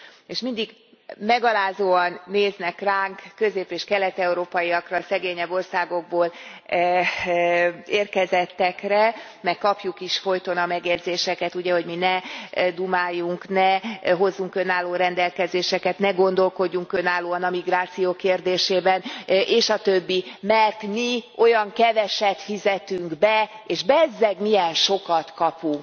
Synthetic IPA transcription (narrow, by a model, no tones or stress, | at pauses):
eʃmind̪iɡ | mɛɡɒlaːzoːɒnːeːznɛkraːŋkːø̞zeːpeːʃkɛlɛt̪ɛuɾoːpɒjiɒkrɒsɛɡeːɲɛbːo̞rsaːɡo̞ɡ̚boːl | eːrkɛzɛt̪ːɛkrɛ | mɛkːɒpjukiʃfo̞jt̪o̞nɒmɛɡjɛd̪zeːʃɛkɛt̪uɟɛɦo̞ɟminɛd̪umaːjːuŋknɛɦo̞zːuŋkø̞naːlːoːɾɛnd̪ɛlkɛzeːʃɛkɛt̪nɛɡo̞n̪d̪o̞lko̞ɟːuŋkønaːlːoːɒnɒmiɡraːt̪sijoːkeːrd̪eːʃeːbɛnʔeːʃɒt̪ø̞bːimɛrt̪mio̞jɒŋkɛvɛʃɛt̪fizɛt̪yŋɡbɛ | eːʒbɛzːɛɡmijɛnʃo̞kɒt̪kɒpuŋk